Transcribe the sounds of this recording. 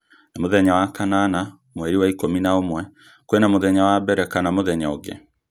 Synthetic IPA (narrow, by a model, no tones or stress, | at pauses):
namoðɛɲawakanana | mwɛɾiwaikominaomwɛ | koenamoðɛɲawabɛɾɛkanamoðɛɲaoɡḛ